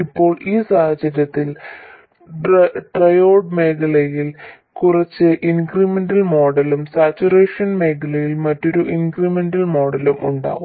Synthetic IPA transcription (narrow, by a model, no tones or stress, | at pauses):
ipːo̞ːɭiːsaːhɐd͡ʑɐɾjɐt̪ːil | ʈrɐjo̞ːɖme̞ːkɐɭɐjil | kurɐt͡ɕːɨʔinkrimendɐlmo̞ːɽɐlumsaːt͡ɕːureːʂɐnme̞ːkɐɭɐjilmɐtːo̞ɾuʔinkrimendɐlmo̞ːɽɐlumʔuɳɖa̰ːɣum